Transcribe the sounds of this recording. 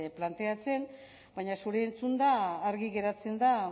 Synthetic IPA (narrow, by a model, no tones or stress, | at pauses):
plant̪e̞at͡se̞m | bajɲasuɾe̞ːnt͡sund̪aːɾɣiɣe̞ɾat͡se̞nd̪a